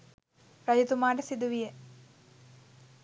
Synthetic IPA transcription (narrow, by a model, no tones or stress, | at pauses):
ɾɐjut̪umaːʈəsid̪uʋije